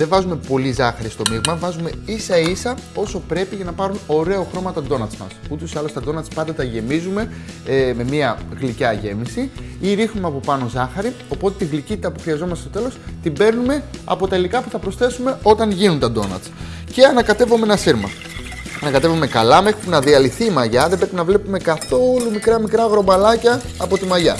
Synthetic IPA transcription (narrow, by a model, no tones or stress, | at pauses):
ðeɱvɐzume̞po̞lizɐxɐɾist̪o̞miɣmɐvɐzume̞isɐisɐo̞so̞pɾe̞piʝɐnɐpɐɾuno̞ɾe̞oxɾo̞mɐt̪ɐd̪o̞nɐt̪smɐ̰sut̪o̞siɐlost̪ɐd̪o̞nɐt̪spɐnd̪ɐt̪ɐʝe̞mizume̞me̞miɐɣlicɐʝe̞misiiɾixnumeɐpo̞pɐno̞zɐxɐɾio̞po̞t̪e̞t̪iɣlicit̪it̪ɐpuxɾiɐzo̞mɐst̪est̪ot̪elo̞st̪ibe̞ɾnume̞ɐ̰po̞t̪ɐilikɐpuθɐpɾo̞sθe̞sume̞o̞t̪ɐŋʝinunt̪ɐd̪o̞nɐ̰t̪s | ce̞ɐnɐkɐt̪e̞vomenɐsiɾmɐ̰ | ɐnɐkɐt̪e̞vome̞kɐlɐme̞xɾipunɐðiɐliθiːmɐʝɐðe̞bɾe̞pinɐvle̞pume̞kɐθo̞lumikɾɐmikɾɐɣɾo̞bɐlɐcɐːpo̞t̪imɐʝɐ̰